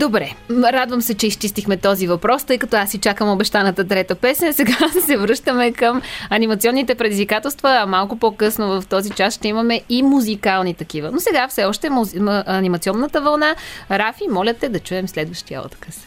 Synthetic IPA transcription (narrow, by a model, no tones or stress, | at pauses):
d̪obɾɛɾad̪vəmsɛt͡ʃɛist͡ʃist̪ixmɛt̪ɔzivɐpɾɔst̪ɤjkɐt̪ɔasit͡ʃakəmobɛʃt̪anɐt̪ət̪ɾɛt̪əpɛsnʲəsɛɡasɛvɾɤʃt̪əmɛkəmɐnimɐt̪siɔnːit̪ɛpɾɛd̪izvikat̪ɛlˠst̪vəːmalˠkʊpokɤsnovɐft̪ɔzit͡ʃasʃt̪ɛimɐmɛimuzikalˠnit̪ɐk̟ivənosɛɡafsɛɔʃt̪ɛməʔɐnimɐt̪siɔnːət̪əvɐlˠnaɾafimɔlʲət̪ɛd̪ɐt͡ʃuɛmslɛd̪vəʃt̪ijə̰ɔ̰t̪kəs